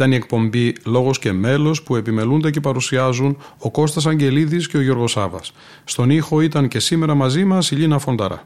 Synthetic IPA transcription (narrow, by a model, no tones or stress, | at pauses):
t̪ɐnie̞k̚po̞mbilo̞ɣo̞sce̞me̞lo̞spue̞pime̞lund̪e̞ce̞pɐɾusiɐzuno̞ko̞st̪ɐs̬ɐɲɟe̞liðisce̞o̞ʝo̞ɾɣo̞sɐvɐ̰sː | t̪o̞nixo̞it̪ɐnce̞sime̞ɾɐmɐzimɐsiʎinɐfo̞nd̪ɐɾɐ̰